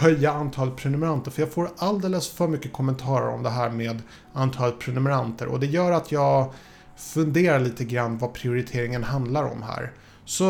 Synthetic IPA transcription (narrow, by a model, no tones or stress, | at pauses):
hœjːaant̪ʰɑːlət̪̚pʰɾɛnɵmɛɾant̪əɾfœɾjɑːɡfoːɾald̪eːləsfœːɾmʏkːəkʰɔmɛnt̪ʰɑːɾə̰ɾɔ̰md̪ɛɦæːɾmeːd̪ | ant̪ʰɑːlət̪̚pʰɾɛnɵmɛɾant̪ʰə̰ɾʔɔ̰d̪ɛjœːɾat̪ʰjɑːɡ | fɵnd̪eːɾaɭiːt̪əɡɾanːvapʰɾɪʊɾɪt̪ʰeːɾɪŋənhand̪laɾɔ̰mɦæ̰ːɾ | sɔ